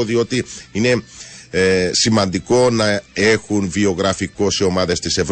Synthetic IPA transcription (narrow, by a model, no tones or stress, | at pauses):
oðio̞t̪iine̞ | simɐnd̪iko̞nɐe̞xunvio̞ɣɾɐfiko̞seo̞mɐðe̞st̪ise̞v